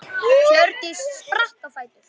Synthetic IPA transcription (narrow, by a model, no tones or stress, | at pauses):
œɾt̪ɪsspraht̪afaːjt̪ɪɾ̥